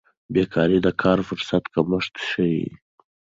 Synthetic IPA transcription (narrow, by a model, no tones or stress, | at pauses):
bekʰɑɾid̪əkʰɑɾfʊɾsat̪kaməʂt̪ʃəjḭ